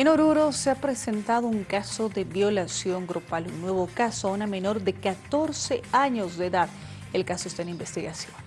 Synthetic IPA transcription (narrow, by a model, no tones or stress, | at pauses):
enoɾuɾo̞seapɾese̞nt̪að̞ouŋkaso̞ðeβjo̞lasjo̞ŋɡɾopalunːwe̞βokasoaunamẽ̞no̞ɾðe̞kat̪o̞ɾse̞aɲozdeːðað | elkaso̞est̪aenimbe̞st̪iɣasjo̞n